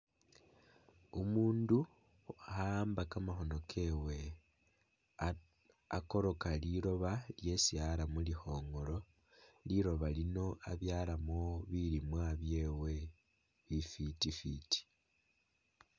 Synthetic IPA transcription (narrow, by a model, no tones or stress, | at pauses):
umuːndu | hambakamaxo̞no̞kʰe̞we̞ | ako̞ɾo̞kaliɾo̞βalje̞sialamulixo̞ːŋɡo̞lo̞ | liɾo̞βalino̞aβjaːlamoβilimwaβje̞ːwe̞ | βifitifiti̥